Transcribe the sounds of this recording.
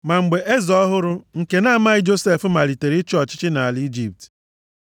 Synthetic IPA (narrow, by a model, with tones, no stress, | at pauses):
ma˨ŋ͡m̩˨ɡ͡be˨ʔe˦zɔ˦ɦʊ˦ɾʊ˦ŋ̩˨ke˨na˦˨ma˦ɣɪ˦d͡ʒo˦se˦˨fma˨ɾi˨te˨ɾi˦t͡ʃɔ˦t͡ʃɪ˦t͡ʃɪ˦na˨a˨li˦d͡ʒi˦p̚t